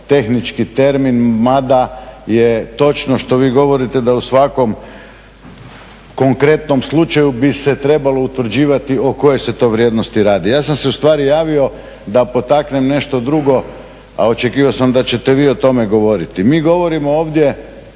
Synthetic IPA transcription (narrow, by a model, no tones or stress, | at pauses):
t̪e̞xnit͡ʃkit̪e̞ɾminmad̪ajet̪o̞t͡ʃnoʃt̪o̞ʋiːɡo̞ʋo̞ɾit̪ed̪ausʋako̞m | ko̞ŋkɾe̞t̪no̞mslˠut͡ʃajubiset̪ɾe̞balo̞ut̪ʋr̩d͡ʑiːʋat̪io̞ko̞je̞se̞t̪o̞ːʋɾʲjeːd̪nost̪iɾaːd̪ijaːsamse̞ust̪ʋaːɾijaːʋio̞ | d̪apo̞t̪akne̞mne̞ʃt̪o̞d̪ɾuɡo̞ | a̰o̞t͡ʃekiːʋaosamd̪at͡ɕe̞t̪eʋiːo̞t̪o̞meɡo̞ʋo̞ɾit̪imiːɡo̞ʋo̞ɾimo̞oːʋd̪je